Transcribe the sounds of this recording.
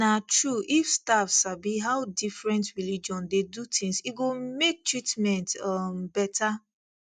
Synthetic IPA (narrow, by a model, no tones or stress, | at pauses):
natɹuʔifstafsabiɦawdifɹɛ̃ntɹilid͡ʒɔ̃ndedutʰĩŋsiɡomek̚tɹitmɛ̃ntɔmbɛtʰa